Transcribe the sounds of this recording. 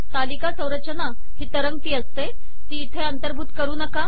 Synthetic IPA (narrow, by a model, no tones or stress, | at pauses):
t̪alikasə̃wɾət̪ːt͡ɕəna | ɦiːt̪əɾəŋɡ̚t̪iːəst̪e | t̪iːt̪ʰeənt̪əɾbʱuːt̪kəɾuːnəka